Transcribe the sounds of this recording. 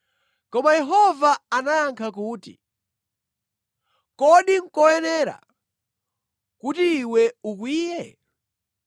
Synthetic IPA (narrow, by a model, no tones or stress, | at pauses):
kɔmajɛɦɔvaanajaŋkʰakuːtḭ | kɔɗiŋ̩kɔjɛnɛɾa̰ | kutiːwɛukwiːjɛ